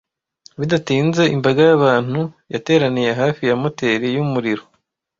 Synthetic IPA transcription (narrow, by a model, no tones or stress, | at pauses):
βidatiːnze̞imbaɡajaβaːn̥hu | jate̞ːɾanije̞ɦaːfijamo̞te̞ːɾijumuɾiɾo̞